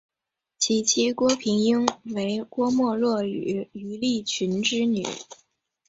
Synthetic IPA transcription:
t͡ɕʰi˧˩t͡ɕʰi˥kwɔ˥pʰi˧˥ŋi˥ŋwe˧˥ɪkwɔ˥mwɔ˥˧lwɔ˥˩y˨˩˦y˧˥li˥˩t͡ɕʰy˧˥nʈ͡ʂɻ̩˥ny̰˨˩˦

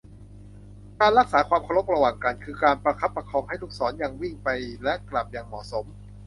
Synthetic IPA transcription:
kaː˧nɾa˦˥k̚saː˩˦kʰwaː˧mkʰa˧ɾo˦˥p̚ɾa˧waː˨˩ŋka˧nkʰɯː˧kaː˧npɾa˧kʰa˦˥pːɾa˧kʰɔː˧ŋɦa˥˩jluː˦˥˩k̚sɔː˩˦nja˨˧ŋwi˥˩ŋpa˧jlɛ˦˥ʔkla˨˩p̚jaː˨˩ŋmɔ̰˨˩so˩˦m

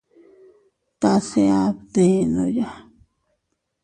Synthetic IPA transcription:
t̪a˧se˧a˧bðe˨nõ˧ja˦

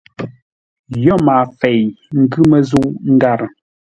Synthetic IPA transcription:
jɔ˦˨maː˨fe˨jŋ̩˦ɡʉ˦mə˨zu˦ʔŋ̩˦ɡa˦˨ɾə˨

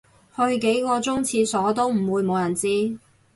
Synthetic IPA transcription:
hɵ˧ɥke˨˥jkɔː˧t͡sʊ˥ŋt͡sʰiː˧sɔː˨˥t̪o˥wm̩˨˩wuː˨˧jmo˨˧wjɐ˨˩nt͡siː˥

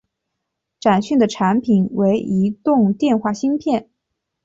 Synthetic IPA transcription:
ʈ͡ʂa˨˩nɕy˥˩nd̪ə˩ʈ͡ʂʰa˧˥npʰi˨˩nwe˧˥ɪi˧˥t̪ʊ˥˧ŋt̪jɛ˥˧nxwa˥˩ɕi˥ŋpʰjɛ˥˩n

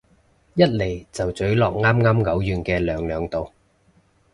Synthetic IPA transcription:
jɐ˥t̚le˨˩jt͡sɐ˨wt͡sɵ˨˥ɥlɔː˨k̚ŋaː˥mŋaː˥mŋɐ˨˥wjyː˨˩nkɛː˧lœː˨˧ŋlœː˨˧ŋt̪o˨˧w

